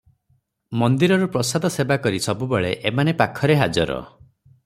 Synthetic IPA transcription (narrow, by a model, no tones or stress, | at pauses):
mɔnd̪iɾɔɾɔpɾɔsad̪ʱɔsebakɔɾisɔbubeɭeʔemanepakʰɔɾeɦad͡ʒɔɾɔ̰